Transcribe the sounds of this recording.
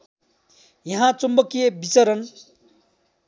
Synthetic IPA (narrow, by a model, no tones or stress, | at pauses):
jʌɦãt͡sumbʌkijebit͡sʌɾʌn